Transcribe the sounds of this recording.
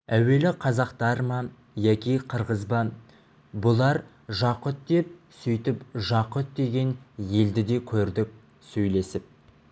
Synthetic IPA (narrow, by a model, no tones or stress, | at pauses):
æwe̞lɪqʰɑzɑqt̪ɑɾmɑ | jækʲiqʰəɾʁəzbɑ | bʊlˠɑɾ | ʒɑqʊt̪̚d̪e̞p̚sʏjt̪ɪpʒɑqʊt̪̚d̪e̞ɡʲe̞nje̞ld̪ɪd̪e̞kʲʰɵɾd̪ɪk̚ʲ | sɵjle̞sɪp̚